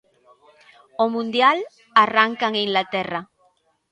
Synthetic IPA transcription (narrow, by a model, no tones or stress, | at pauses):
omũnd̪jal | araŋkaŋiŋlat̪era